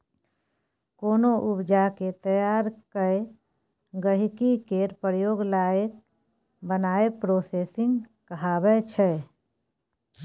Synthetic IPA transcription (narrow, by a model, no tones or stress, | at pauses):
koːnoʔʊpd͡ʒaket̪əjaːɾkəe | ɡəɦikikeɾpɾjoːɡlaːjək̚ | bənaːepɾoːseːsɪ̃ŋɡkəɦaːbɛt͡ʃʰɛ